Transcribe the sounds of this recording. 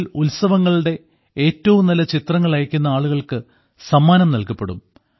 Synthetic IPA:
lulsɐʋɐŋːɐɭuɽe̞ | e̞ːtːɐʋumnɐlɐt͡ɕit̪rɐŋːɐɭɐjɐkʲːunːɐaːɭuɣɐɭkɨ | sɐmːaːnɐmnɐlkɐpːe̞ɽṵm

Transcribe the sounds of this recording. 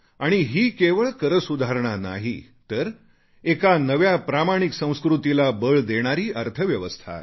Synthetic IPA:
aɽ̃iɦiːkeʋəɭkəɾəsud̪ʱaɾɳ̃ana̰ɦi | t̪əɾ | ekanəʋjapɾamaɽ̃iksə̃w̃skɾut̪ilabəɭd̪eɽ̃aɾiːʔəɾt̪ʰəʋjəʋəst̪ʰa̰

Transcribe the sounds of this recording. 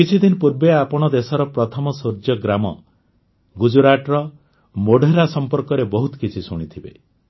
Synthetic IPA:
kit͡ʃʰid̪inpuɾbeapɔɽ̃ɔd̪esɔɾɔpɾɔt̪ʰɔmɔsuɾd͡ʒjɔɡɾamɔ̰ | ɡud͡ʒuɾaʈɾɔ | moɖʱeɾasɔmpɔɾkɔɾebɔɦut̪ɔ̥kit͡ʃʰisuɽ̃it̪ʰibḛ

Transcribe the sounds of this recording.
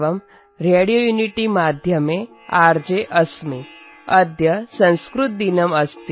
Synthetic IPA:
ʋɐm | ɾeɽijojuniʈimaːd̪ʱjɐme | aːɾd͡ʒeʔɐsmi | ɐd̪ʱjɐsɐ̃ñskɾut̪̚d̪inɐmɐst̪i

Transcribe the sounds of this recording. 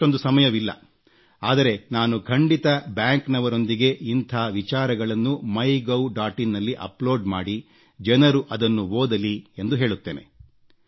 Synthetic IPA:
o̞nd̪usɐmɐjɐʋilːɐ̰ | aːd̪ɐɾe̞naːnukʰɐɳɖit̪ɐbjaːŋknɐʋɐɾo̞nd̪iɡe̞int̪ʰaːʋit͡ʃaːɾɐɡɐɭɐnːumɐjɡɐwɖaːʈinːɐlːiʔɐ̰ploːɖmaːɽi | d͡ʒɛnɐɾuʔɐd̪ɐnːuʋoːd̪ɐliend̪uɦe̞ːɭut̪ːeːne̞̰

